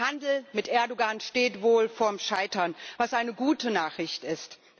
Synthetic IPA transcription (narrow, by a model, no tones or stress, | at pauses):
handl̩mɪtʔɛɐdoɡanʃteːtv̥oːlfoːɐmʃaɪtɐnvasʔaɪnəɡuːtənaːχʁ̥ɪçtɪst